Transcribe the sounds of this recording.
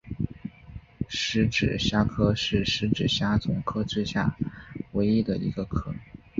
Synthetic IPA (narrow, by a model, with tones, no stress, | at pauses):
ʂɻ̩˧˥ʈ͡ʂɻ̩˨˩ɕja˥kʰɤ˥ʂɻ̩˥˩ʂɻ̩˧˥ʈ͡ʂɻ̩˨˩ɕja˥t͡sʊ˧˩ŋkʰɤ˥ʈ͡ʂwe˥˧ɕja̰˥˩we˧˥ɪi˥d̪ə˨ḭ˧˥ɡə˧kʰɤ˥˩